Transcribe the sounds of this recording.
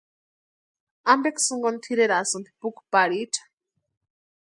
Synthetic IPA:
ambɛksuŋɡɔnt̪ʰiɾeɾasumpipukupaɺiʈ͡ʂʰḁ

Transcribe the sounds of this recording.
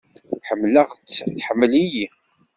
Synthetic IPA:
ħəmːləʁt͡sːθħəmːəliji

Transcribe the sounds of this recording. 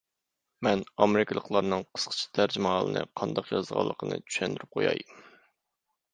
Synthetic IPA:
mɛnɑmɪɾɪkʰʲlˠəqlˠɑɾnɨŋqʰə̥sqʰə̥t͡ʃʰi̥t̪ʰæɾd͡ʒimɑɦɑlˠənɨ̰qʰɑnd̪ɑqjɑzʁɑ̰lˠːəqʰənɨ̰t͡ʃʰy̥ʃɛnd̪yɾyp̚qʰojɑ̰jm

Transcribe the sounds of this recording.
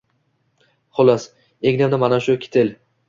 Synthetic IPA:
χʊlˠas | eɡʲnamd̪amanaʃʊkʲʰe̥t̪ʰel

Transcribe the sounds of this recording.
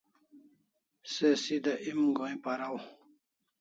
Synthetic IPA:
sesid̪aʔimɡõĩpaɾaw

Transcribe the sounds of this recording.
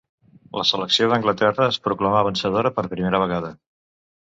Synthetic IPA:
ləsələksioðəŋɡlət̪ɛrəːspɾuklamaβ̞ənsəðoɾəpəɾpɾimeɾəβəɣ̞aðə

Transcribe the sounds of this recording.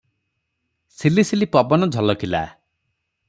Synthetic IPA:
silisilipɔbɔnɔd͡ʒʱɔlɔkʰila̰

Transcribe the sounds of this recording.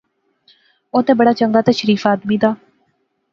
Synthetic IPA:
oːt̪ẽːbəɽaːt͡ʃəŋɡaːt̪ɛːʃəɾiːfaːd̪miːd̪aː

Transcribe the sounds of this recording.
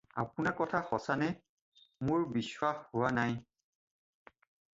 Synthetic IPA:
a̰pʊnakɔtʰaxɔsanɛ | mʊɹbiswaxhʊwanaj

